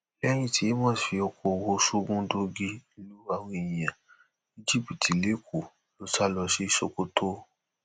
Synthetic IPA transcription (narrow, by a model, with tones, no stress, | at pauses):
lɛ˦j̃ĩ˦˨tʰi˨˦mɔ̃ː˦˨fi˧ɔ˧ko˧˨wo˧ʃu˦ɡũ˦do˧ɡi˧nĩ˧lu˦ɾa˧˦w̃ũ˦i˨jĩ˨jã˨ | i˦d͡ʒi˦˨bi˨ti˨le˨˦ku˨ | lo˨˦sa˦lɔ˧ʃi˦ʃo˧ko˦tʰo˦